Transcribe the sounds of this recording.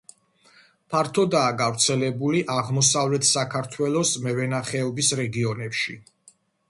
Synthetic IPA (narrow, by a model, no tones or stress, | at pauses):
pʰaɾt̪ʰɔd̪aːɡavɾt̪sʰɛlɛbuliʔaʁmɔsavlɛt̪ʰsakʰaɾt̪ʰwɛlˠɔsmɛvɛnaχɛɔbisɾɛɡiɔnɛpʃi